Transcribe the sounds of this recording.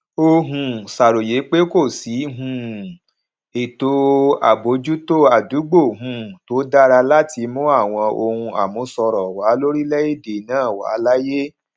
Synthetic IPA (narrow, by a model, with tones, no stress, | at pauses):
o˧ɦũ˧sa˨ɾo˨je˨˦k͡pe˦ko˦˨si˨˦ɦũ˧˦ | e˨to˧a̰˨bo˨˦d͡ʒu˦to˦a˨du˨˦ɡ͡bo˦˨ɦũ˨˦˨to˨˦da˦ɾa˧la˦ti˧mũ˦a˦˨w̃ɔ̃˧o˧hũ˧a̰˨mũ˧˦sɔ˧ɾɔ˨wa˨˦lo˦ɾi˦lɛ˦je˦˨de˨nãː˦˨wa̰˨˦la˦je˦